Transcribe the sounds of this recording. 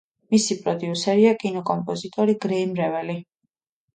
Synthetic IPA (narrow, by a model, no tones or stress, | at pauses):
misipʼɾɔd̪iusɛɾiakʼinɔkʼɔmpʼɔzit̪ʼɔɾiɡɾɛimɾɛvɛli